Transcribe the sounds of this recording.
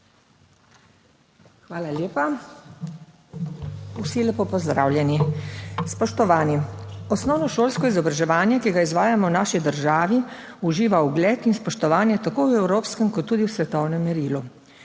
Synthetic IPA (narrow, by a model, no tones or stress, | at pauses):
xʋaːlaljeːpa | usilepopɔzd̪ɾa̰ːwljɛnispɔʃt̪ɔʋaːniɔsnɔwnɔʃoːlskɔizɔbɾaʒɛʋaːnjɛkiɡaizʋaːjamɔwnaːʃid̪əɾʒaːʋi | uʒiːʋauɡlɛːt̪inspɔʃt̪ɔʋaːnjɛt̪akoːwɛwɾoːpskɛmkɔt̪ːuːd̪iwsʋɛt̪ɔwnɛmːɛɾiːlu